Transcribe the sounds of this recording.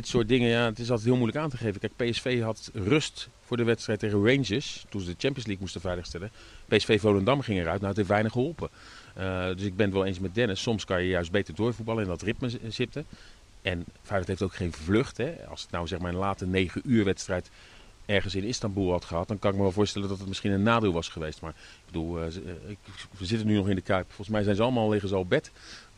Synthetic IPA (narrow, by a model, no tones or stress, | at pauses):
dɪtsʊːɹt̚dɪŋəjaːətɪs̬ɑlˠtɛjt̚ɦɪːlˠmujləkaːntəχejvəkɛjk̚pejɛsfejɦɑtrɵst | fʊːɹdəʋɛtstrɛjtːeχərend͡ʒəstunzədət͡ʃɛmpijənsliːk̚mustəvɛjləχstɛlə | pejɛsfejvowləndɑmχɪŋərœɥtnawətɦeftʋɛjnəχəɦɔlˠpə | dɵsɪɡ̚bɛnətʋɛlˠejns̬mɛdɛnəsːɔmskɑnjəjœɥsd̚bejtəɹdʊːɹvud̚bɑlˠəɛndɑtrɪpməzɪp̚tə | ɛnfɛjlətɦejftowkχejnvløχtɦɛɑ̰lˠsətnawzɛχmaːɹənlaːtsənejχəʔyːɹʋɛtstrɛjt | ɛɹχənsɪnɪstɑmbulˠɦɑtχəɦɑt̚dɑnkɑnɪk̚məʋɛlˠvʊːɹstɛləndɑtətmɪsχinənːaːdeːlˠʋɑsχəʋejstmaːɹɪɡ̚bədulˠɪkəzɪtənynɔχɪndəkœɥpfɔlˠχəsmɛjzɛjnzəɑləmaːlˠleχənzɑlˠɔb̚ɛt